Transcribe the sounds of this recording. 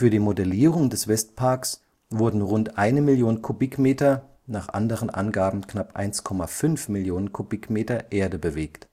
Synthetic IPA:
fyːɐdiːmodɛliːʁʊŋdɛsv̥ɛstpʰaɐks | v̥ʊɐdn̩ʁʊntʔaɪnəmɪljoːnnkʰubɪkmeːtɐ | naːχʔa̰ndəʁənʔa̰nɡaːbm̩knapʔa̰ɪnskʰɔmafʏnfmɪljoːnənkʰubɪkmeːtɐʔeːɐdəbəveːkt

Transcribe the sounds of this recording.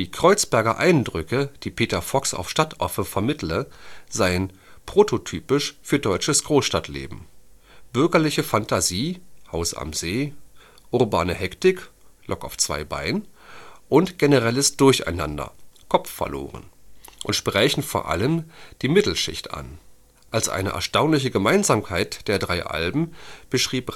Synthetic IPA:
diːkʁ̥ɔʏt͡sb̥ɛɐɡɐ̰ʔaɪndʁʏkəd̥iːpʰeːtɐfɔksa̰ʊfʃtatʔɔ̰ɐfəfɛɐmɪtləzaɪən | pʁ̥otʰotʰyːpɪʃfyːɐdɔʏt͡ʃəsɡ̥ʁoːsʃtatʰlḛːbm̩ | b̥ʏɐɡɐlɪçəfantʰaziːhaʊsa̰mzeː | ʔʊʁba̰ːnəhɛktɪklʔɔkaʊft͡sv̥a̰ɪba̰ɪnʔʊntɡ̥enəʁɛləsd̥ʊɐça̰ɪna̰ndɐ̰kʰɔpfɐ̰ɐlo̰ːʁə̰nʔʊntʃpʁ̥ɛːçn̩foːɐʔa̰ləmd̥iːmɪtl̩ʃɪ̰çta̰n | ʔalsʔa̰ɪnə̰ʔɛ̰ɐʃtaʊnlɪçəɡəmaɪnzaːmkʰaɪtd̥eːɐdʁaɪʔa̰lbm̩b̥əʃʁ̥iːp

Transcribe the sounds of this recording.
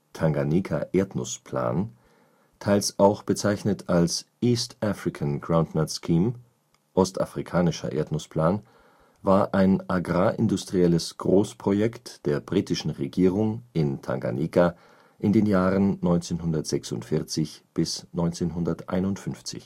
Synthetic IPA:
tʰaŋɡanikʰa̰ʔeːɐtnʊspʰl̥a̰ːn | tʰaɪlsʔaʊxb̥ət͡saɪçnətʰalsʔiːstʔafʁ̥ɪkʰanɡʁaʊndnaskʰiːm | ʔɔsta̰fʁ̥ikʰaːnɪʃɐ̰ʔḛːɐtnʊspʰl̥aːn | vaːɐʔaɪnʔaɡʁaːʔɪndʊstʁ̥iɛləsɡ̥ʁoːspʁ̥ojɛktd̥eːɐbʁiːtɪʃn̩ʁeɡiːʁʊŋɪntʰa̰ŋɡa̰niːka | ʔɪndeːnjaːʁənːɔʏnt͡seːnɦʊndɐtz̥ɛksʊ̰ntfɪɐt͡sɪçb̥ɪsnɔʏnt͡seːnɦʊndɐtʔa̰ɪnʊntfʏnft͡sɪ̰ç

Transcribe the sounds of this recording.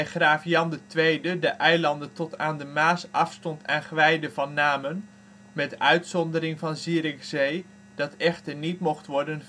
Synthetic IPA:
χraːfjɑndətʋejdədəʔɛjlɑndətɔtaːndəmaːsɑfstɔntʰɛnχʋɛjdəvɑnːaːmən | mɛtœɥtsɔndəɾɪŋvɑnziːɾɪkzej | dɑtɛχtəɹnitmɔχtʋɔɹdən

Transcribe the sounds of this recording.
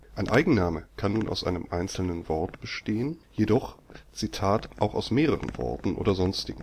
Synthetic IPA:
ʔaɪnʔaɪɡŋ̩naːməkʰanːuːnʔa̰ʊsʔa̰ɪnəmʔaɪnsl̩nənvɔɐtb̥əʃteːənjedɔχt͡sitʰaːtʔaʊxaʊsmeːʁəʁə̰nv̥ɔ̰ɐtn̩ʔo̰ːdɐzɔnstɪɡŋ̩

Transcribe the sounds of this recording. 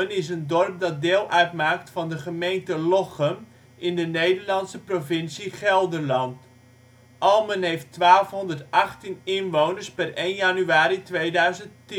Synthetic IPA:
ənɪs̬əndɔrp̚dɑt̚dɪːlˠʔœɥtmaːktfɑndəχəmejntəlɔχəm | ʔɪndənejdərlɑntsəprovɪnsiχɛlˠdərlɑnt | ʔɑlˠmənɦejftʋaːlˠfɦɔndərtɑχtinɪnʋownəɹspɛrejnjanyaːɾitʋejdœɥzəntti

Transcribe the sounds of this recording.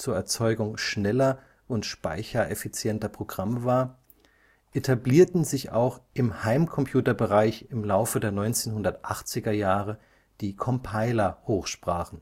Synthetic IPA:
t͡suːɐɛɐt͡sɔʏɡʊŋʃnɛlɐ | ʔʊntʃpa̰ɪçɐʔɛfit͡sjɛntɐpʁ̥oɡ̥ʁamvaːɐ | ʔetʰabliːɐtn̩zɪça̰ʊxʔɪmhaɪmkʰɔmpʰj̥uːtɐbəʁaɪçɪmlaʊfədeːɐnɔʏnt͡seːnhʊndɐtʔaχt͡sɪɡɐjaːʁə | d̥iːkʰɔmpʰaɪlɐhoːxʃpʁ̥aːχn̩

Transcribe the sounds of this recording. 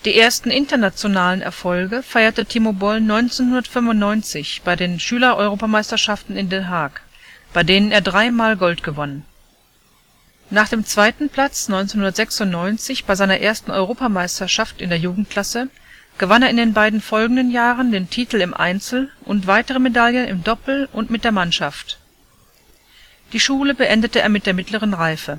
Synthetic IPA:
d̥iːʔeːɐstn̩ʔɪntɐnat͡sjonaːlənʔɛ̰ɐfɔlɡəfaɪɐtətʰimobɔlnɔʏnt͡senhʊndɐtfʏmvʊntnɔʏnt͡sɪçb̥aɪdeːnʃyːlɐʔɔʏʁoːpamaɪstɐʃaftn̩ɪndeːnɦaɐk | b̥aɪdeːnəneːɐdʁaɪmaːlɡɔltɡ̥əvɔnən | naːχd̥eːmt͡sv̥aɪtn̩pʰl̥at͡snɔʏnt͡senhʊndɐtz̥ɛksʊntnɔʏnt͡sɪçb̥aɪzaɪnɐʔeːɐstn̩ʔɔʏʁ̞oːpamaɪstɐʃaftɪndeːɐjuːɡŋ̩t̚kʰl̥asə | ɡ̥əvaneːɐɪndeːnbaɪdn̩fɔlɡŋ̩dənjaːʁəndeːntʰiːtl̩ɪmʔa̰ɪnt͡sl̩ʔʊntv̥aɪtəʁəmedaljənɪ̰mdɔpl̩ʔʊntmɪt̚d̥eːɐmanʃaft | d̥iːʃuːləbəʔɛndətəḛːɐmɪt̚d̥eːɐmɪtləʁənʁaɪfə

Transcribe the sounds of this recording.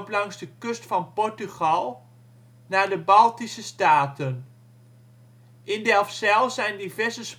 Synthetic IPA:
plɑŋzdəkɵstfɑnpɔɹtyχɑlˠ | naːɹdəbɑlˠtisəstaːtən | ʔɪndɛlˠfsɛlˠzɛjndivɛɹzəs

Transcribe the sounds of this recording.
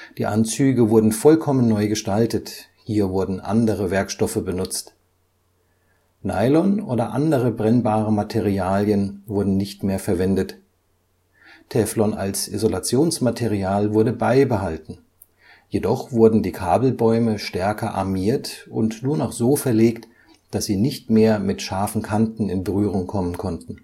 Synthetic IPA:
d̥iːʔa̰nt͡syːɡəvʊɐdn̩fɔlkʰɔmənːɔʏɡəʃtaltət | hiːɐvʊɐdn̩ʔa̰ndəʁəvɛɐkʃtɔfəbənʊt͡st | na̰ɪlɔnʔoːdɐʔandəʁəbʁɛnbaːʁəmatʰeʁiaːljənvʊɐdn̩nɪçtmeːɐfɛɐvɛndət | tʰɛflɔna̰lsḭzolat͡sjoːnsmatʰeʁiaːlvʊɐdəbaɪbəɦaltn̩ | jedɔχv̥ʊɐdn̩diːkʰaːbl̩bɔʏməʃtɛɐkɐʔa̰ɐmiːɐtʊ̰ntnuːɐnɔχz̥oːfɛɐleːkt | d̥asz̥iːnɪçtmeːɐmɪtʃaɐfn̩kʰantn̩ɪnbəʁyːʁ̞ʊŋkʰɔmənkʰɔntn̩

